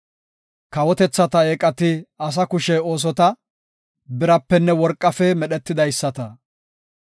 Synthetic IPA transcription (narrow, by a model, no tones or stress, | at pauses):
kɐwɔt̪ɛt͡sːɐt̪ɐeːkʼɐt̪ɪɐs̬ɐkʊʃɛo̞ːs̬ɔt̪ɐ | bɪɾɐpːɛnːɛwɔɾkʼːɐfɛmɛɗɛt̪ːɪd̪ɐjsːɐt̪ɐ